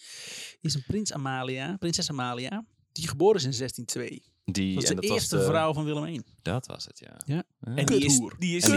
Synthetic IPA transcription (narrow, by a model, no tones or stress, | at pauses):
ɪsənprɪnsa̰maːliaprɪnsɛsamaːlia | diχəboːɾəs̬ɪnzɛstintʰʋḛː | disdəɪərstəvrawfɔnʋɪlˠəmen | d̥ɔtʋɔ̰sətʰja̰jaɛnurdiɪs